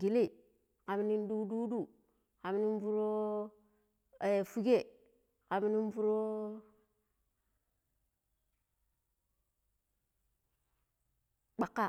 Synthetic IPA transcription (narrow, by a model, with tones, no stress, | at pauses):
ɡi˨le˦˨ | ka˨mi˦ni˦n˦du˦du˦du˦˨ | ka˨mi˦ni˦n˦fu˦ɾo˦ | e˨fu˦ɡe˦˨ | ka˨mi˦ni˦nfu˦ɾo˦ | k͡pa˨kːa˦˨